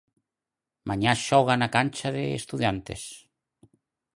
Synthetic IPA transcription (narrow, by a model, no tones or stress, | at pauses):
maɲaʃɔɣ̞anakanʲt͡ʃaðeḛst̪uðjant̪ḛs